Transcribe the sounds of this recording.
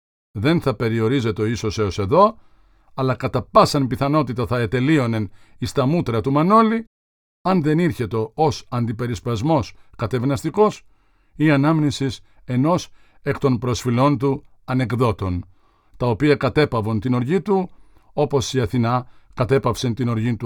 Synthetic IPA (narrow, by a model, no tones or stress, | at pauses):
ðe̞nθɐpe̞ɾio̞ɾize̞t̪eo̞iso̞se̞ose̞ðo̞ | ɐlɐkɐt̪ɐpɐsɐnmpiθɐno̞t̪it̪ɐθɐet̪e̞lio̞ne̞nist̪ɐmut̪ɾɐt̪umɐno̞li | ɐnðe̞niɾçe̞t̪o̞osɐnd̪ipe̞ɾispɐzmo̞skɐt̪e̞vnɐst̪iko̞s | iɐnɐmnisis | e̞no̞s | e̞kt̪o̞npɾo̞sfilo̞nt̪u | ɐne̞kðo̞t̪o̞n | t̪ɐopiɐkɐt̪e̞pɐvont̪ino̞ɾʝit̪u | o̞po̞siɐθinɐkɐt̪e̞pɐfse̞nt̪ino̞ɾʝint̪u